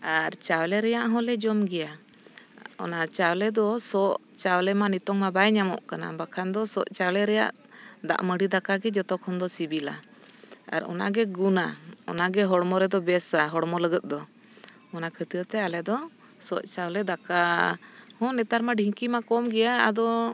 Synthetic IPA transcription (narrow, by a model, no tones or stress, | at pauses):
aɾt͡ʃawlɛɾɛjaʔɦɔ̃lɛd͡ʒɔmɡɛja | ɔ̰nat͡ʃawlɛd̪ɔsɔʔ | t͡ʃawlɛmanit̪ɔŋmabajɲamɔ̰ʔkana̰bakʰand̪ɔsɔʔt͡ʃawlɛɾɛja̰ʔ | d̪a̰ʔməɖid̪akaɡɛd͡ʒɔt̪ɔkʰɔnd̪ɔsibila̰ | a̰ɾɔ̰na̰ɡɛɡunaɔ̰naɡɛɦɔɽmɔɾɛd̪ɔbɛsaɦɔɽmɔləɡət̪̚d̪ɔ | ɔnakʰət̪iət̪ɛalɛd̪ɔ | sɔʔt͡ʃawlɛd̪aka | hɔ̃nɛt̪aɾmaɖʱiŋkimakɔmɡɛjaad̪ɔ